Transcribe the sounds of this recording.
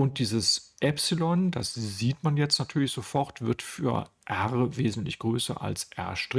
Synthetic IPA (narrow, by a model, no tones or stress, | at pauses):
ʊnt̚d̥iːzəsʔɛpsilɔnd̥asziːtmanjɛt͡stnatʰyːɐlɪçz̥ofɔɐtv̥ɪɐtfy̰ːɐʔɛʁəveːzn̩tlɪçɡ̥ʁøːsɐ̰ʔa̰lsʔɛ̰ɐʃtʁ̥ɪ